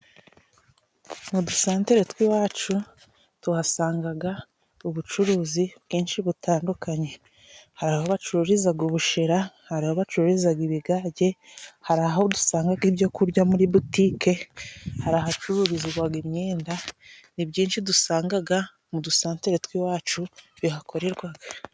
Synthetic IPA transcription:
mudusaːnte̞ɾetwiwaːt͡ʃu | tuhasaːŋɡaɡa | uβut͡ʃuɾuːzibɡiːnʃiβutaːndukaɲe̞ | haɾahoβat͡ʃuɾuɾizaɡuβuʃeɾahaɾahoβat͡ʃuɾuɾizaɡiβiɡaːɟe̞haɾahodu̥saːŋɡaɡibjo̞kuɾɟamuɾiβutiːke̞haɾaɦat͡ʃuɾuɾiziɡwaɡimɲeːndanibɟiːnʃidusaːŋɡaɡa | mudusaːnteɾetwiwaːt͡ʃuβiɦakʰo̞ɾe̞ɾɡwaɡa

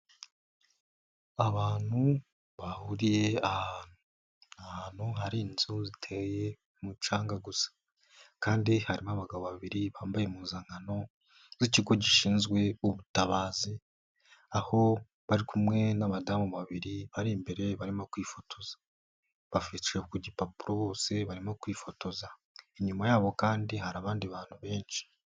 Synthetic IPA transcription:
aβaːn̥hu | βahuɾije̞ahn | ahaːn̥huɦaɾiːnzuzitʰeje̞ | mut͡ʃaːŋɡaɡusḁ | kaːndihaɾimaβaɡaβoβaβiɾiβaːmbaje̞muːnzaŋɡano̞ | ziciɡo̞ɟiʃiːnzɡwe̞uβutaβaːzi | aho̞ | βaɾikʰumŋe̞namadaːmuβaβiɾiβaɾimbe̞ɾe̞βaɾimokwiːfo̞tʰo̞z̥ḁ | βafit͡ʃekuɟipapuɾoβo̞ːse̞βaɾimokwiːfo̞to̞za | iɲumajaːβo̞kaːndihaɾaβaːndiβaːn̥huβe̞ːnʃi̥

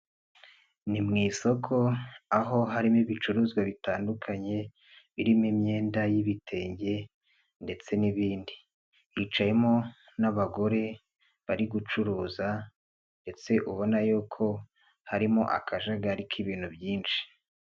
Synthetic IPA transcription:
nimŋiːso̞kʰo̞aɦo̞ɦaɾimiβit͡ʃuɾuzɡwaβitaːndukʰaɲe̞ | βiɾimimɲe̞ːndajiβitʰe̞ːɲɟe̞ | nde̞t͡se̞niβiːndi | it͡ʃaje̞mo̞ | naβaɡo̞ɾe̞ | βaɾiɡut͡ʃuɾuːza | nde̞t͡se̞ʔuβo̞najuːkʰo̞ | haɾimo̞̰ʔa̰kʰaʒaɡaɾikʰiβiːn̥hubjiːnt͡ʃi̥

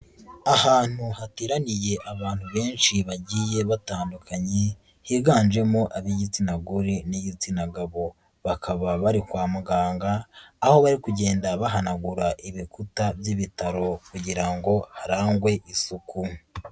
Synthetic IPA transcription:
ahaːn̥uhatiːɾanije̞ʔaβaːn̥huβe̞ːnʃiβaɟiːje̞βataːndukʰaɲe | hiːɡaːnd͡ʒe̞moʔaβiɟit͡sinaɡuɾiniɟit͡sinaɡaβo̞ | βakʰaβaβaɾikwaːmuɡaːŋɡaːho̞βaɾikuɟe̞ːndaβaɦanaɡuɾaʔiβikutaβjiβitaɾo̞kuɟiɾaŋɡo̞haɾaːŋɡwe̞ʔisuku

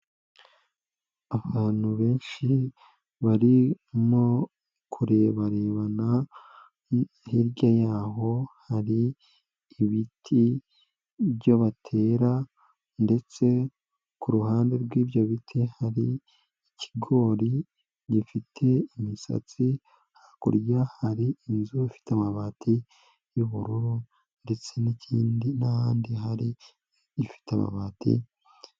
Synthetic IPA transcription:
aβaːn̥huβe̞ːnʃi | βaɾi | mo | kʰuɾe̞ːβaɾe̞ːβana | hiɾɟajaːɦo̞haɾiː | βitʰi | bɟo̞βatʰe̞ːɾa | nde̞t͡se̞ | kuɾuhaːnde̞ɾɡwiːbjoβitʰihaɾi | icʰi̥ɡo̞ːɾi | ɟifitʰe̞imisa̰t͡si | hakṵɾjahaɾiinzuifi̥tamaβatʰi | juβuɾuɾo | nde̞t͡se̞nicʰiːndinahaːndiɦaɾiː | fi̥teama̰βaːtḭ

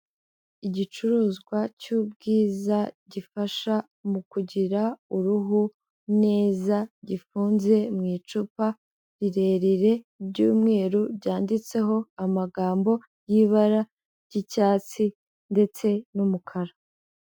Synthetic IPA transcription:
iɟit͡ʃuɾuːzɡwacub̚ɡiːzaɟifaʃa | mukuɟiɾauɾuɦu | ne̞ːzaɟifuːnze̞mŋiːt͡ʃupa | ɾiɾe̞ːɾiɾe̞bjɟuːmŋe̞ːɾubɟaːndit͡se̞ɦo̞amaɡaːmbo̞ | jiβaɾa | ɟ̥icaːt͡si | nde̞t͡se̞numukʰaɾa

